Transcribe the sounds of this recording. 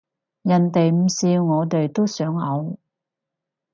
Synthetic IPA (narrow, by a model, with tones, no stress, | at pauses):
jɐ˨˩nt̪e˨jm̩˨˩siː˧wŋɔː˨˧t̪e˨jt̪o˥wsœː˨˥ŋhɐ˨˧w